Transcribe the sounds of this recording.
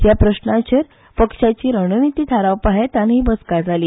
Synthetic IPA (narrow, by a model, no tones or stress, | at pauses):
japɾəɕnat͡ɕəɾ | pəkʂat͡ɕiːɾəɽ̃nit̪iːt̪ʰaɾaʋpaɦet̪anɦiːbəskad͡zʱaliː